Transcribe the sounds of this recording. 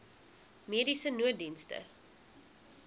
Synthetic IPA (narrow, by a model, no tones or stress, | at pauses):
miəɾisənuət̚dinstə̰